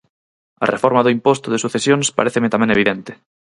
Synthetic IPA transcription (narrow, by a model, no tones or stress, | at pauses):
a̰refoɾmaðʊimpost̪ʊðesuθesjoŋspa̰ɾeθemet̪amɛ̃ŋeβ̞iðent̪e̥